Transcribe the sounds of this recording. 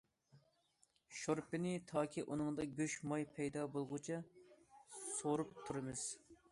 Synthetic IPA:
ʃoɾpɪnɪt̪ʰɑːkʲʰiʔunɨŋd̪ɑɡʲøʃmɑjpʰɛjd̪ɑbolˠʁʊt͡ʃʰɑ | soɾup̚t̪ʰuɾɨmɨz̥

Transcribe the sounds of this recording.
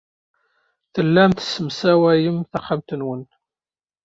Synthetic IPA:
θəlːæmt̪səmsæwæjəmθaχamt̪ənwən

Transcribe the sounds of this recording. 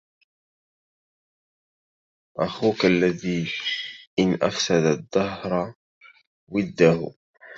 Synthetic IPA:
ʔaxuːkalːaðiː | ʔɪnʔa̰fsad̪ad̪ˤːɑhɾˤ | wɪd̪ːah

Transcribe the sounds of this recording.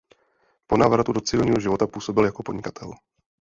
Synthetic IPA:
po̞naːvɾat̪udo̞t͡sɪvɪlɲiːɦo̞ʒɪvo̞t̪apuːso̞bɪljako̞podɲɪkḁt̪ʰɛl

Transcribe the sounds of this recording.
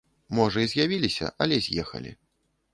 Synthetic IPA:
mɔʐɐizʲjavʲilʲisʲɐ̰ʔɐlʲɛzʲjɛxɐ̰lʲḭ

